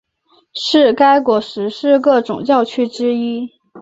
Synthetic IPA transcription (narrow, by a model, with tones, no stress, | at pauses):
ʂɻ̩˥˩ka˥ɪkwɔ˧˥ʂɻ̩˧˥ʂɻ̩˥˧kɤ˥˩ʈ͡ʂʊ̰˨˩ŋt͡ɕjɑ˥˩ʊt͡ɕʰy˥ʈ͡ʂɻ̩˥i˥